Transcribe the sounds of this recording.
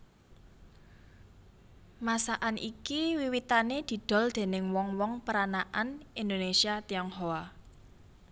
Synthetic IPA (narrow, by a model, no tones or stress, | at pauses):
masaʔanʔḭkiwiwit̪aned̪̥i̤d̪̥ɔ̤ld̪̥e̤nɪŋwɔŋwɔŋpəɾanaʔanind̪onesiat̪iɔŋɦoa